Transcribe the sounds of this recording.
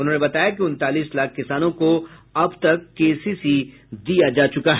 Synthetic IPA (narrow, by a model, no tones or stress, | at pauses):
ʊnɦõːnebɐt̪aːjak̬iʊ̃nt̪aːliːslaːk̚ʰkɪsaːnõkoɐbt̪ɐkːeːsisi | d̪ijad͡ʒaːt͡ʃʊkaɦɛ